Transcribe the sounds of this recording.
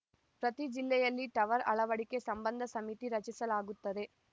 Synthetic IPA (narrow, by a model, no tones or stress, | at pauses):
pɾɐt̪id͡ʒilːɛjɐlːiʈɐʋɐɾɐ̰ɭɐʋɐɽike̞sɐmbɐnd̪ʱɐsɐmit̪iɾɐt͡ʃisɐlaːɡut̪ːɐd̪e̞